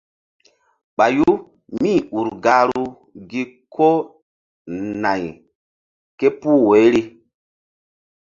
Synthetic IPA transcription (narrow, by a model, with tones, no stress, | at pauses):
ɓa˨ju˦ | mĩ˦˨u˨ɾɡa˨˦ɾu˦ | ɡi˦kʰo˦ | na˨j | ke˦puː˦˨we˨˦ɾi˦